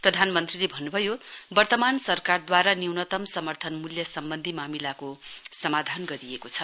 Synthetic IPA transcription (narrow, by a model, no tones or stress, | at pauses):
prʌd̪ʱanmʌnt̪rilebʱʌnːubʱʌjobʌrt̪ʌmansʌrkard̪waɾanewnʌt̪ʌmsʌmʌrt̪ʰʌnmuljʌsʌmbʌnd̪ʱimamilakosʌmad̪ʱanɡʌɾiekot͡sʰʌ